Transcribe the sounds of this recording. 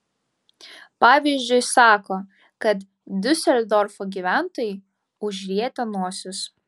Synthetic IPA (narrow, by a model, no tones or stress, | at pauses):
pɑːʋʲiːzʲd͡ʒʲʊɪsɑːkoː | kɐt̪ | d̪ʲʊsʲɛlʲd̪ɔɾfoɡʲiʋʲæˑnt̪oːjɪ | ʊʒʲɾʲiɛt̪ʲɛnuɔsʲʊs